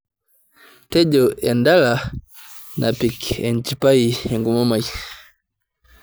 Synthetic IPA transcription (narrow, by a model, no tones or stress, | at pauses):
tɛɟɔɛndala | nʔa̰pikɛnt͡ʃipaiɛŋɡumɔmai